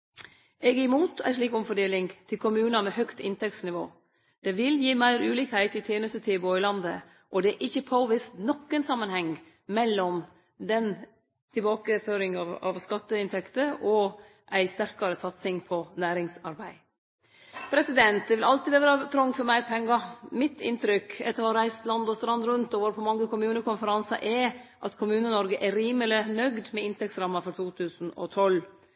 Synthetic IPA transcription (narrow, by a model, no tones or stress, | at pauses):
ɛɡɪmuːt̪æ̰ɪʂɭiːkɔmfɔɖeːlɪŋt̪ʰɪlkʰʊmʉːnɑmɛhœkt̪ɪnt̪ʰɛksnɪʋo̰ː | d̪̥ɛʋɪljiːmæɪɾʉːliːkhæɪt̪ɪt̪ʰjeːnəst̪ət̪ʰɪːboɔɪlɑnd̪ə̰ | ʔɔd̪ɛæʔɪçːəpʰoːʋɪst̪nɔkːənsɑmːənhɛŋ | mɛlːɔm | d̪ɛn | t̪ʰɪlbɑːkəføːɾɪŋɑʋɑ̰ʋskɑt̪ːəɪnt̪ʰɛkt̪əʔɔ | ʔæɪst̪æɾkɑɾəsɑt̪sɪŋpʰɔnæːɾɪŋsɑɾbæɪ | pʰɾɛsɪd̪ɛnt̪̚d̪ɛʋɪlɑlt̪ɪʋeːʋəɾɑt̪ʰɾɔŋfɔɾmæɪɾpʰɛŋːɑmɪt̪ːɪ̰nt̪ɾʏkɛt̪ːəɾhɑɾæɪst̪lɑnd̪ɔst̪ɾɑnd̪ɾʉnt̪ɔʋɔɾpʰɔmɑŋːəkʊmʉːnəkʊnfəɾɑnsɑ̰ʔɛʔɑt̪kʰʊmʉːnənɔɾɡəʔɛɾiːməlɪnœɡd̪mɛɪnt̪ʰɛk̚t̪sɾɑmːɑfɔɾt̪ʰuːt̪ʰʉːsn̩ɔ̰t̪ʰɔl